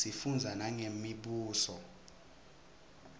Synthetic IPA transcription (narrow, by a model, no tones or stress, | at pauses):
sifund͡zʱanaŋemiɓuːsɔ